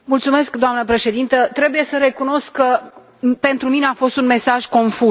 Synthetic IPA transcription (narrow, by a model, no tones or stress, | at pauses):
mult̪sume̞skd̪oamnəpɾe̞ʃe̞d̪int̪ət̪ɾe̞buje̞səɾe̞kuno̞skːə | pe̞nt̪ɾumineafo̞st̪unme̞saʒko̞nfu